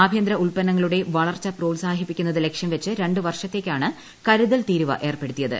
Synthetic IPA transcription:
aːbʱjɐnd̪ɾɐuɭpɐnːɐŋːɐɭuɽe̞ʋɐɭɐrt͡ɕːɐpro̞ːlsaːɦipːikʲːunːɐðɨle̞kʂjɐmʋɐt͡ɕːɨɾe̞ɳɖɨʋɐrʂɐt̪ːe̞ːkʲːaːɳɨ | kɐɾuðɐlt̪iːɾuʋɐ̰ʔe̞ːrpe̞ɽut̪ːijɐðɨ̰

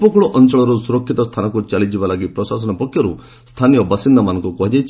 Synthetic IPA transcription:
pɔkuɭɔʔɔnt͡ʃɔɭɔɾusuɾɔkʰːit̪ɔst̪ʰanɔkut͡ʃalid͡ʒibalaɡipɾɔsas̬ɔnɔpɔkʰːjɔɾu | st̪ʰanijɔbasind̪ɔmanɔŋkukɔɦid͡ʒajt͡ʃʰ

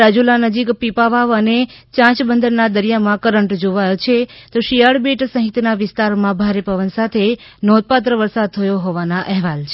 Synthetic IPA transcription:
ad͡ʒulanəd͡ʒikpipaʋaʋənet͡ʃãt͡ʃbənd̪əɾnad̪əɾijamãkəɾəɳʈd͡ʒoʋajot͡ʃʰet̪oʃijəɭbeʈsə̃ɦit̪naʋɪst̪aɾmãbʱaɾepəʋənsat̪ʰe | nod̪̚pat̪̬ɾəʋəɾsad̪̚t̪ʰəjoɦoʋanaʔɛɦʋalt͡ʃʰe

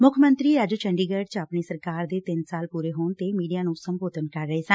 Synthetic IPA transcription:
mʊkʰmənt̪ɾiːəd͡ʒt͡ʃəɳɖiːɡəːɖt͡ʃapɳeːsəɾkaːɾd̪eːt̪ɪnsaːlpuːɾeːɦoːɳt̪eːmiːɖijaːnũːsəmboːt̪ənkəɾːəɦeːsə̃n

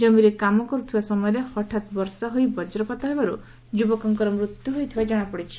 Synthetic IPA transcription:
d͡ʒɔmiɾekamɔkɔɾut̪ʰibasɔmɔjɔɾehɔʈʰat̪bɔɾsaɦojbɔd͡ʒɾɔkɔt̪aɦebaɾu | d͡ʒubɔkɔŋkɔɾɔmɾut̪juɦojt̪ʰibad͡ʒɔɽ̃apɔɽit͡ʃʰi̥

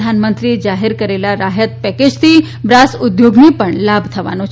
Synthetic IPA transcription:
d̪ʱanmənt̪ɾid͡ʒaɦeɾkəɾelaɾaɦət̪̚pɛked͡ʒt̪ʰi | bɾasʊd̪joɡnipəɳlabʱt̪ʰəʋa̰no

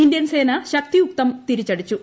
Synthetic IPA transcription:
indjɐnse̞ːnɐɕɐk̚t̪ijuk̚t̪ɐmt̪iɾit͡ɕːɐɽit͡ɕːu

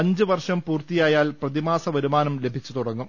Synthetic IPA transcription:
ɐɲd͡ʑɨʋɐrʂɐmpuːrt̪ijaːjaːlprɐðimaːsɐʋɐɾumaːnɐmle̞bʱit͡ɕːut̪uɽɐŋːum

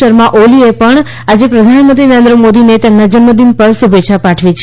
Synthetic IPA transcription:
əɾmãʔoliepəɳ | ad͡ʒepɾəd̪ʱanmənt̪ɾinəɾend̪ɾəmod̪inet̪ɛmnad͡ʒənməd̪inpəlsəbʱet͡ʃʰapaʈʰʋit͡ʃʰ

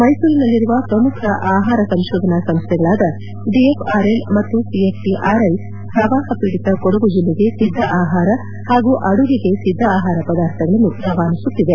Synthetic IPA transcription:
mɐjsuːɾinɐlːiɾuʋɐpɾɐmukʰɐʔaːɦaːɾɐsɐmʃoːd̪ʱɐnɐsɐmst̪ʰɛɡɐɭaːd̪ɐ | ɖiepʰaːɾelmɐt̪ːusiepʈiʔaːɾɐj | pɾɐʋaːɦɐpiːɽit̪ɐkoɽuɡud͡ʒulːiɡe̞sid̪ʱːɐʔaːɦaːɾɐ | haːɡuːʔɐɽuɡiɡe̞sid̪ʱːɐːɦaːɾɐpɐd̪aːɾt̪ʰɐɡɐɭɐnːuɾɐʋaːnisut̪ːid̪e̞

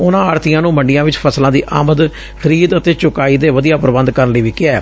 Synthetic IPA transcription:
ʊnãːaːɾt̪ijãːnũːməɳɖɪjãːʋɪt͡ʃpʰəslãːd̪iːʔa̰ːməd̪ | kʰəɾiːd̪ət̪eːt͡ʃʊkaːiːd̪eːʋəd̪ijaːpɾəbənd̪kəɾənləiːʋiːkɪaː

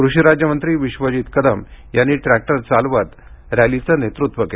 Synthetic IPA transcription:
kɾuɕiɾad͡ʑjəmənt̪ɾiːʋiɕʋəd͡ʑiːt̪kəd̪əmjanːiːʈɾæk̚ʈəɾt͡salʋat̪ | ɾalit͡sənet̪ɾut̪ʋəke

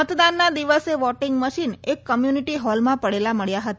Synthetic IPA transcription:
ət̪d̪anːad̪iʋəseʋɔʈɪŋɡməʃinekːəmjuniʈiɦɔlmãpəɽelaməɭjaɦət̪a

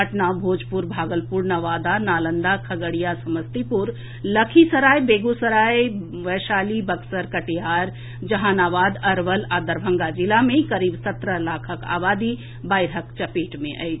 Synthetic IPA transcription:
əʈnabʱoːd͡ʒpuɾbʱaːɡəlpuɾnɐʋaːd̪anaːlə̃nd̪akʰɐɡəɽijasɐməst̪ipuɾ | ləkʰisəɾaːjbeːɡusəɾaːi | ʋɛːʃaːlibɐksəɾkɐʈeɦaːɾ | d͡ʒɐɦaːnaːʋaːd̪ɐɾʋəlaːd̪əɾbʱə̃ŋɡad͡ʒɪlamẽkɐɾiːbsɐt̪ɾəlaːkʰəka̰ːʋaːd̪i | baːjɾəkt͡ʃɐpeːʈmẽʔa̰jʰ

